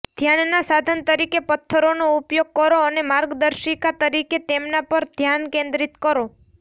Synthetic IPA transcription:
d̪ʱjanːasad̪ʱənt̪əɾikepət̪ʰːəɾonoupjoɡ̚kəɾoənemaɾɡd̪əɾʃikat̪əɾiket̪emnapəɾd̪ʱjankẽnd̪ɾit̪kəɾo

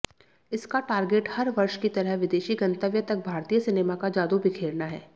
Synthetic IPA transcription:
ɪskaʈaːɾɡeːʈhɐɾʋɐɾʃkit̪ɐɾəɦʋɪd̪eːʃiɡɐ̃nt̪əʋjət̪ɐk̚bʱaːɾt̪ijəsɪneːmakad͡ʒaːd̪ubʱikʰeːɾnaɦɛ̰ː

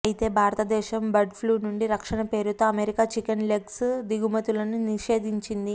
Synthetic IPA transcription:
ɐjit̪e̞ːbʱaːɾɐt̪ɐd̪ɛːʃɐmbɐɖpʰluːnuɳɖiɾɐkʂɐɳɐpe̞ːɾut̪o̞ːɐmeɾikaːt͡ʃikɐnleɡsd̪iɡumɐt̪ulɐnuniʂe̞ːd̪ʱiɲt͡ʃind̪i

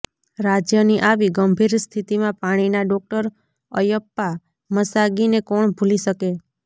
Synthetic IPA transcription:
ɾad͡ʒjəniʔaʋiɡəmbʱiɾst̪ʰit̪imãpaɽ̃inaɖɔk̚ʈəɾ | ə̰jəpːa | məsaɡinekɔɳbʱuliʃəke

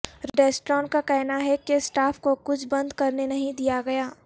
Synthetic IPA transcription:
ɾɖeːsʈɾɔ̃ːnkakɛɦnaɦɛkesʈaːfkokʊt͡ʃʰbɐ̃nd̪kɐɾnenɐɦĩd̪ijaɡɐjaː

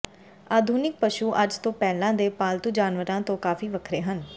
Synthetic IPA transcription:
aːd̪ʱuːnɪk̚pəʃuːʔəd͡ʒt̪õːpɛːlãːd̪eːpaːlt̪uːd͡ʒaːnʋəɾãːt̪õːkaːfiːʋəkʰɾeːɦən

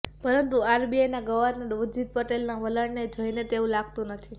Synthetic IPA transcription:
pəɾənt̪uaɾbiajnaɡəʋaɾnaɾʋəd͡ʒid̪̚pəʈelnaʋələɽned͡ʒʱəjnet̪eũlaɡt̪ũnət̪ʰi

